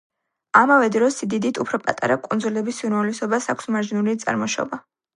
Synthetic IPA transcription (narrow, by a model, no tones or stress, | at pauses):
amavɛd̪ɾɔsid̪id̪it̪ʰupʰɾɔpʼat̪ʼa̰ɾakʼund̪zulɛbisiɾɛlɛsɔbasakʷʰsmaɾʒinulit̪sʼa̰ɾmɔʃɔ̰ba